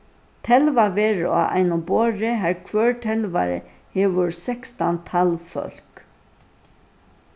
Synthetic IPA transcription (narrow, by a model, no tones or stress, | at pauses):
t̪ʰɛlʋaʋeːɹa̰ʔa̰jnʊboːɹɪɦæɹkʰʋœːɹt̪ʰɛlʋa̰ɾɪ̰ | hɛːʋʊɹsɛkst̪ant̪ʰalfɔ̰l̥k